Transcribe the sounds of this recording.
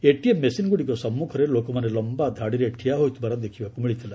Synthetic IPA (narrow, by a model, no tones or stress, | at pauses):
eʈiemːesinɡuɽikɔsɔmːukʰɔɾelokɔmanelɔmbad̪ʱaɽiɾeʈʰijaɦojt̪ubaɾad̪ekʰibakumiɭit̪ʰila